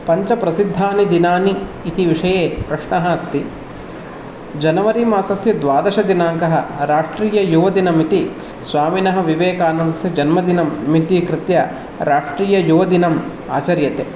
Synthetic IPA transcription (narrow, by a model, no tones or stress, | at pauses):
pɐɲt͡ʃɐpɾɐsid̪ʱːaːnid̪inaːniːt̪iʋiʂɐjeːpɾɐʂɳɐɦɐɐst̪i | d͡ʒɐnɐʋɐɾiːmaːsɐsjɐd̪ʋaːd̪ɐʃɐd̪inaːŋkɐɦɐ̰ɾaːʂʈɾiːjɐjuːʋɐd̪inɐmit̪i | sʋaːminɐɦɐ̆ʋiʋeːkaːnɐnd̪ɐsid͡ʒɐnmɐd̪inɐmːit̪ikɾɪt̪jɐ | ɾaːʂʈɾiːjɐjuːʋɐd̪inɐm | a̰ːt͡ʃɐɾjɐt̪eː